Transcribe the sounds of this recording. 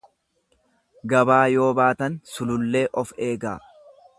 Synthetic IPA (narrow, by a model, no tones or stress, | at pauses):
ɡɐbaːjo̞ːbaːt̪ɐnsʊlʊlːe̞ːʔɔfe̞ːɡaː